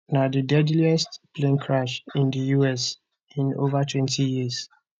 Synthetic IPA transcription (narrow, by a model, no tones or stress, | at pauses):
nadədɛdliɛstpʰlẽnkʰɹaʃĩndəjuɛs | ĩno̰vatʰwɛ̃ntʰijiəz